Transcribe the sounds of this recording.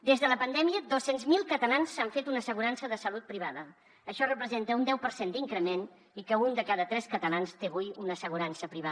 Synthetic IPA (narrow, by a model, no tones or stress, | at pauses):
d̪ezðələpənd̪ɛmiəd̪osenzmilˠkət̪əlansaɱfet̪unəsəɣuɾansəðəsəlut̪̚pɾiβaðəː | ʃɔrəpɾəzent̪əund̪ɛwpəɾsend̪iŋkɾəmen | ikəund̪əkaðət̪ɾɛskət̪əlanst̪eβujunəsəɣ̞uɾansəpɾiβa